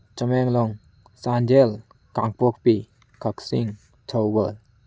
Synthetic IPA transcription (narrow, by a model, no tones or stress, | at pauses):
t͡ʃəmɛŋlɔŋ | sand͡ʒel | kaŋpɔk̚pi | kʰaksiŋ | tʰəwbəl